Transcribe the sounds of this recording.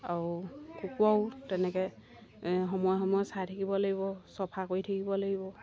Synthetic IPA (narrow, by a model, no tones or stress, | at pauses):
aɹukukuawtɛnɛkɛ | ɦɔmɔjɔxɔmɔjɔsatʰakibɔlaɡibɔsɔpʰakojtʰakibɔlaɡibɔ